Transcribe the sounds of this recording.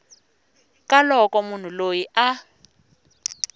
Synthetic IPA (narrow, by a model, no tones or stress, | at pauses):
kʼalɔkʼɔmun̤ulojiʔa